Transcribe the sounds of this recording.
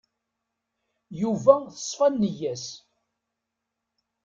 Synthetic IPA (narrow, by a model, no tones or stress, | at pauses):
juvæθə̥sˤfænːəjæs